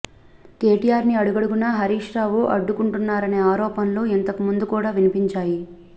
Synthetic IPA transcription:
keːʈijaːɾniɐɽuɡɐɽuɡunɐɦɐɾiːʂɾaːʋuʔɐɖːukuɳʈunːaːɾɐne̞ːaːɾɔːpɐnlo̞ːent̪ɐkumund̪ukuːɽaːʋinipiɲt͡ʃaːji

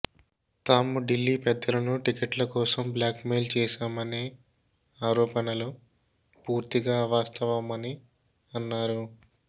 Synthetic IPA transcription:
t̪aːmuɖilːiːpɛd̪ːɐlɐnuʈikeʈlɐkɔːsɐmbljaːkmeːlt͡ʃɛːʃaːmɐneː | aːɾɔːpɐnɐlu | puːɾt̪iɡaːʋaːst̪ɐʋɐmɐni | ɐnːaːɾu

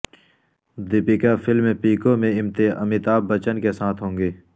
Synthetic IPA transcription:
d̪ɪpɪkafɪlmẽpiːkõmẽɪmt̪ɪɐmɪt̪aːbːɐt͡ʃənkesaːt̪ʰɦõːŋɡeː

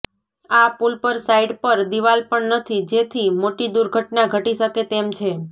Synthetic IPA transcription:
apulpəɾsaiɖpəɾd̪iʋalpəɳnət̪ʰid͡ʒet̪ʰimoʈid̪uɾɡʱəʈnaɡʱəʈiʃəket̪emt͡ʃʰe

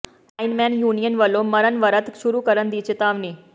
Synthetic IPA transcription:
ainmanjunijənʋəloməɾənʋəɾət̪ɕuɾuːkəɾənd̪it͡ɕet̪aʋniː

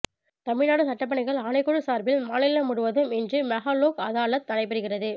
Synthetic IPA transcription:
t̪ɐmɪɻnaːɽɯsɐʈːɐp̬ːɐɳɐɪɣɐɭaːnɐɪkːɔɻɯsaːɾbɪlmaːnɪlːɐmʊɽʊʋɐðɯmɪndrɯmɐɣaːloːkɐðaːɭɐt̪ːɐnɐɪpːɐɾɯɣɪrɐðɯ

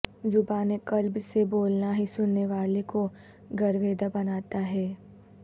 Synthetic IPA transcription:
zʊbaːnekɐlbseboːlnaɦisʊnːeʋaːleko | ɡɐɾʋeːd̪abɐnaːt̪aɦɛː

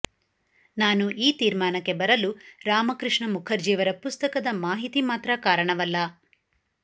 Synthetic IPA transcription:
naːnuʔiːt̪iːɾmaːnɐkːe̞bɐɾɐluɾaːmɐkɾɨʂɳɐmukʰɐɾd͡ʒiːʋɐɾɐpust̪ɐkɐd̪ɐmaːɦit̪imaːt̪ɾɐkaːɾɐɳɐʋɐlːɐ

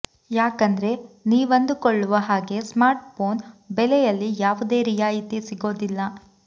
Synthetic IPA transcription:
jaːkɐnd̪ɐɾe̞niːʋɐnd̪ukoɭːuʋɐɦaːɡe̞smaːɾʈpoːnbɛlɛjɐlːijaːʋud̪e̞ːɾijaːjit̪isiɡo̞ːd̪ilːɐ

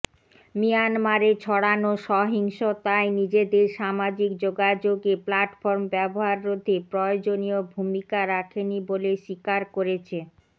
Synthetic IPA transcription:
mijanmaɾet͡ɕʰɔɽanoʃɔɦiŋʃot̪aenid͡ʑed̪eɾʃamad͡ʑik̚d͡ʑoɡad͡ʑoɡeplaʈfɔɾmbɛboɦaɾːod̪ʱːepɾɔeod͡ʑoniobʱumikaɾakʰeniboleʃikaɾkoɾet͡ɕʰe

